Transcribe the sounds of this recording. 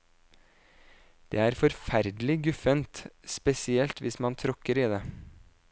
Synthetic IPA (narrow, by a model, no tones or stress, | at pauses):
d̪̥ḛːæːɾfɔɾfæɾd̪əl̩ɪɡʉfənt̪spɛsɪɛlt̪ʋɪsmɑnt̪ʰɾɔkəɾiːd̪eː